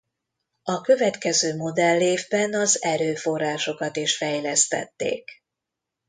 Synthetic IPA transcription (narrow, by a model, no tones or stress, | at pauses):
ɒkø̞vɛt̪kɛzøːmo̞d̪ɛlːeːvbɛnɒzɛɾøːfo̞rːaːʃo̞kɒt̪iʃfɛjlɛst̪ɛ̰t̪ːḛːk